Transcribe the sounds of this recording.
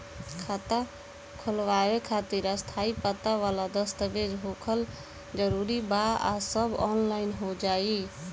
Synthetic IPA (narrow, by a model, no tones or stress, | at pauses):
kʰat̪a | kʰəlʋaːʋekʰat̪iɾəst̪ʰaipət̪aʋalad̪əst̪əʋed͡ʒɦokʰəl | d͡ʒəɾuɾibaa̰səbɔnlaɪnɦod͡ʒaːi